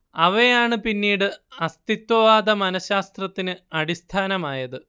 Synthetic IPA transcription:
ɐʋejaːɳɨpinːiːɽɨɐst̪it̪wɐʋaːd̪ɐmɐnɐɕaːst̪rɐt̪ːinɨɐɽist̪ʰaːnɐmaːjɐðɨ

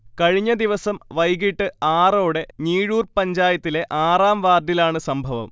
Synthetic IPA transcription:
kɐɻiɲːɐd̪iʋɐsɐmʋɐjɣiʈːɨaːroːɽe̞niːɻuːrpɐɲd͡ʑaːjɐt̪ːileʔaːraːmʋaːd̪jilaːɳɨsɐmbʱɐʋɐ̰m

